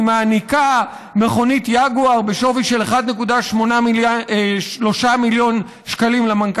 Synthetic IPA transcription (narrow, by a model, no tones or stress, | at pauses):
maːnika | me̞χo̞nitjaɡuaʁbeʃo̞viʃeleχad̪ne̞kudaʃmo̞na | ʃlo̞ʃamiljo̞n | ʃkalimlamank